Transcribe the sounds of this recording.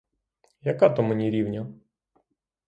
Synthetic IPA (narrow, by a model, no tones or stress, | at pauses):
jɐkat̪ɔmɛnʲiɾʲiwnʲɐ